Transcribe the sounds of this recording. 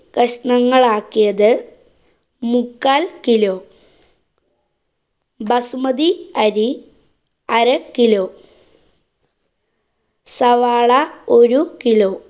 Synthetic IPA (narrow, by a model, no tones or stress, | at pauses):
kɐʂɳɐŋːɐɭaːkːijɐðɨ | mukːaːlkiloː | bɐsumɐðiɐɾi | ɐɾɐkiloː | sɐʋaːɭɐoɾukiloː